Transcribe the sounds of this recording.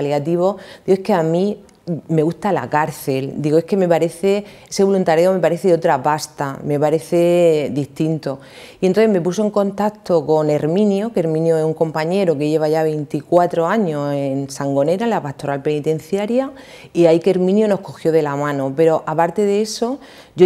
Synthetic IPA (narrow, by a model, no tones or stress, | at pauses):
ljat̪iβ̞o̞d̪iɣoeskeamĩ | me̞ɣust̪ala̰kaɾθe̞ld̪iɣoe̞ske̞me̞paɾe̞θe̞ | ese̞β̞o̞lunt̪aɾjaome̞paɾe̞θeeot̪ɾapast̪ame̞paɾe̞θe̞ðiht̪int̪o̞ | ient̪oθeme̞pusoe̞ŋko̞nt̪akt̪o̞ko̞ne̞ɾmĩnjoke̞ɾmĩnjoesuŋko̞mpaɲe̞ɾoke̞ʝe̞βaʝaβe̞jnt̪ikwat̪ɾo̞aɲo̞sensaŋɡo̞ne̞ɾalapaht̪o̞ɾalpe̞nit̪ẽ̞n̟θjaɾja | iaikeɾmĩnjono̞hko̞xjo̞ðe̞lamãno̞pe̞ɾo̞ʔapaɾt̪e̞ðee̞so̞ | ʝo